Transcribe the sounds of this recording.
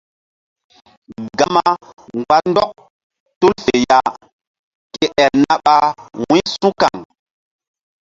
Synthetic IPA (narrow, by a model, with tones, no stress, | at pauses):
ɡa˦ma˦ŋɡwa˦tndɔ˦k̚ | tu˦lfe˨ja˦ | ke˨ʔɛ˨lna˦ɓa˦wũ˦sũ˦ka˨ŋ